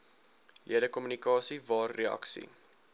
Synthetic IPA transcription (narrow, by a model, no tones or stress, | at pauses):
liədəkɔmynikɑːsivɑːrːeɐ̰ksḭ